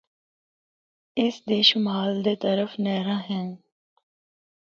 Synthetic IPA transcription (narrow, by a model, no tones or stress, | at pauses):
ɪsd̪eːʃmaːld̪et̪əɾəfnɛːɾãːɦɛ̃ː